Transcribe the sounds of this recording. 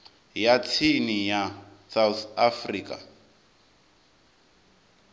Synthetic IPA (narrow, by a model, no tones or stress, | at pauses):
jat͡sʰinijasawθafriːkʼa̰